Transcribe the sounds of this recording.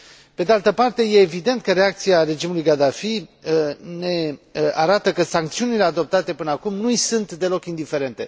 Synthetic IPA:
pe̞d̪ealt̪əpart̪e̞je̞ːvid̪e̞nt̪̚kəɾe̞ak̚t̪siaɾe̞d͡ʒimulujɡad̪afi | ne̞aɾat̪əkəsaŋk̚t̪siunile̞ad̪o̞p̚t̪at̪e̞pɨnəakumnujsunt̪d̪e̞lo̞kind̪ife̞ɾe̞nt̪e̞

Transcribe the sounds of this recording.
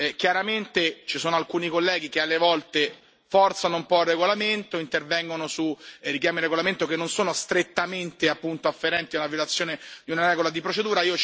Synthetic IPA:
kjaɾament̪et͡ʃisoːnoalkuːnikolːɛːɡ̟ik̟ealːevɔlt̪e | fɔrt̪sanoumpɔirːeɡolament̪oint̪ervɛŋɡonosurikjaːmirːeɡolament̪okenːonsoːnost̪ɾet̪ːament̪eapːunt̪oafːeɾɛnt̪ialavjolat̪sːjoːned̪iunaɾɛːɡolad̪ipɾot͡ʃed̪uːɾaiːo

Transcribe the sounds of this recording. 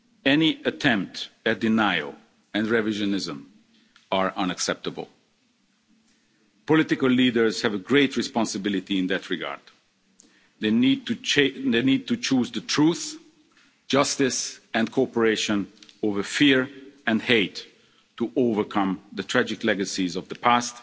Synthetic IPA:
ɛniətʰɛ̃mp̚tɨt̚dɪnaɪo̰ʊ | ɨ̃nɹɛvɪʒənɪzə̃m | əɹʔʌ̃nɨksɛp̚təbə̰l̩ˠ | pɔlɪtɪkəlˠlidə˞z̥hɨvəɡɹeɪtʰɹɨspɑ̃nsəbɪlˠɨtiɪ̃nðɨtʰɹɪɡa̰ɹd | enid̚tut͡ʃʰuzðətʰɹuθ | d̥d͡ʒ̥ʌstɪsɨ̃nkʰopəɹeɪʃə̃noʊvə˞fiɹɨ̃nheɪtː | uʔoʊvə˞kʰʌ̃mðətʰɹ̥æd͡ʒɪklɛɡəsizɔvðəpʰæst

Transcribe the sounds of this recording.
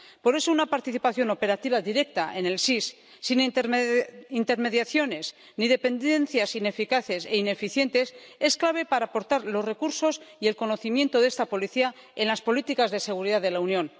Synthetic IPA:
po̞ɾe̞so̞unapaɾt̪iθipaθjo̞no̞pe̞ɾat̪iβaðiɾe̞k̚t̪aʔe̞ne̞lsisː | in | int̪e̞ɾme̞ðjaθjo̞ne̞s | nið̞e̞pe̞nd̪e̞nθjasine̞fikaθe̞se̞ine̞fiθje̞nt̪e̞s | e̞sklaβ̞e̞paɾaːpo̞ɾt̪aɾlo̞sre̞kuɾso̞sie̞lko̞no̞θimje̞nt̪o̞ðe̞st̪apo̞liθia | enlaspo̞lit̪ikazðe̞se̞ɣ̞uɾiðaðe̞launjõ̞n

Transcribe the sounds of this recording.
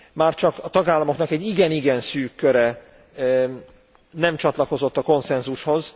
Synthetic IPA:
maːrt͡ʃɒkɒt̪ɒɡaːlːɒmo̞knɒkɛɟːiɡɛniɡɛnsyːkːøɾɛ | nɛmt͡ʃɒt̪lɒko̞zo̞t̪ːɒko̞nsɛnzuʃho̞z

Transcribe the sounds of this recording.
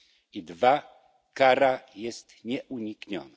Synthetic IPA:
id̪va | kaɾajɛst̪ɲɛʔuɲikɲɔ̰na

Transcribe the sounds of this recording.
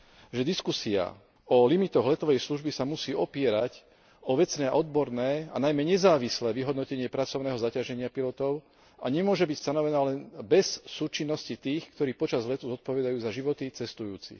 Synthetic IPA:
ʒɛd̪iskusia̰ | ɔlimit̪ɔɣlɛt̪ɔʋɛjsluʒbisamusiːʔɔpɪɛɾac | ɔʋɛt͡snɛːʔɔd̪bɔɾnɛːa̰najmɛɲɛzaːʋislɛːʋiɦɔd̪nɔcɛɲɪɛpɾat͡sɔʊnɛːɦɔzacaʒɛɲɪapilɔt̪ɔʊ | aɲɛmʊɔʒɛbicst̪anɔʋɛnaːlɛnbɛsːuːt͡ʃinːɔscit̪iːxkt̪ɔɾiːpɔt͡ʃazlɛt̪uzɔt̪̚pɔʋɛd̪ajuːzaʒiʋɔt̪it͡sɛst̪ujuːt͡sḭ

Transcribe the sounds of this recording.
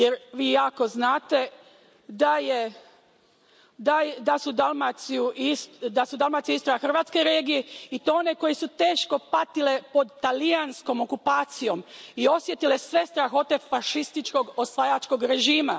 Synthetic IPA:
jeɾʋiːjaːko̞znaːt̪e̞ | d̪aje | d̪ajd̪asud̪almat̪sijuʔisd̪asud̪alˠmat̪sjiist̪oɾaaxrʋaːt̪ske̞jɾeːɡijeit̪oone̞ko̞jesut̪e̞ːʃko̞pat̪ile̞po̞d̪t̪alijansko̞mo̞kupaːt̪sijo̞mio̞sjet̪ile̞sʋe̞st̪ɾaxo̞t̪e̞faʃist̪it͡ʃko̞ɡo̞sʋajat͡ʃko̞ɡɾe̞ʒiːma

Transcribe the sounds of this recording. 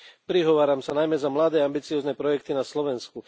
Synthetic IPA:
pɾiɦɔʋaːɾamsanajmɛzamlad̪ɛːambit͡siɔːznɛpɾɔjɛkt̪inaslɔʋɛnsku

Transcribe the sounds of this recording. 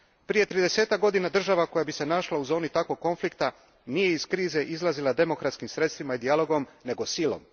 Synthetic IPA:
pɾije̞t̪ɾiːd̪e̞se̞ːt̪ak̚ɡo̞d̪inad̪r̩ʒaʋako̞jabise̞naʃlauzo̞ːnit̪akʋo̞ɡ̚kːo̞nflikt̪a | nije̞iskɾiːze̞ʔizlˠazilˠad̪e̞mo̞kɾat̪skimsɾe̞t̪st̪ʋimaid̪ijalˠo̞ɡo̞mne̞ɡo̞silo̰m

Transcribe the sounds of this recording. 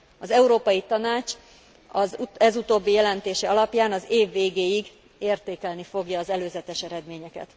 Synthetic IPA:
ɒzɛuɾoːpɒjit̪ɒnaːt͡ʃ | ɒzɛzut̪oːbːijɛlɛnt̪eːʃɛɒlɒpjaːnɒzeːvːeːɡeːjiɡ | eːrt̪eːkɛlnifo̞ɡjɒːzɛløːzɛt̪ɛʃɛɾɛd̪meːɲɛkɛ̰t̪

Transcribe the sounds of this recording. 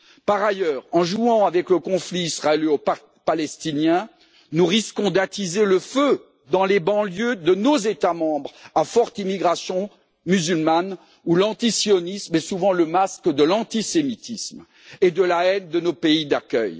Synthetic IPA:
paʁajœʁɑ̃ʒuɑ̃avɛkləkɔ̃fliːsχaeliop | palɛst̪injɛ̃ | nuʁiskɔ̃d̪at̪izeləfø | d̪ɑ̃lebɑ̃ljød̪ənozet̪amɑ̃bʁafɔʁt̪imiɡʁasjɔ̃ | myzylman | ulɑ̃t̪isjɔnismɛsuvɑ̃ləmaskd̪əlɑ̃t̪isemit̪ism | ed̪əlaɛnd̪ənopeid̪akʲœ̰j

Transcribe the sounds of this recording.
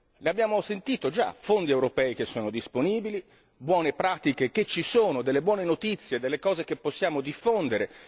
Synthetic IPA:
leabːjaːmosent̪iːt̪od͡ʒa̰fond̪iewɾopɛːik̟esːoːnod̪isponiːbili | bwɔːnepɾaːt̪ikek̟et͡ʃːisoːnod̪elːebwɔːnenot̪it̪sːjed̪elːekɔːzek̟epːosːjaːmod̪ifːond̪eɾe

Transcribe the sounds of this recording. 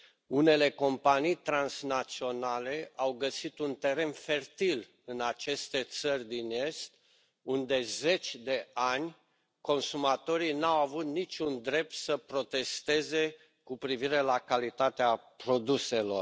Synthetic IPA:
une̞le̞ko̞mpanijt̪ɾansnat̪sio̞nale̞awɡəsit̪unt̪e̞ɾe̞nfe̞rt̪il | ɨnat͡ʃe̞st̪e̞t̪sərʲd̪ine̞st̪ | und̪e̞ze̞t͡ʃʲd̪e̞anʲ | ko̞nsumat̪o̞ɾijnawavut̪nit͡ʃʲund̪ɾe̞p̚t̪səpɾo̞t̪e̞st̪e̞ze̞ | kupɾiviɾe̞lakalit̪at̪eapɾo̞d̪use̞lo̞̰r

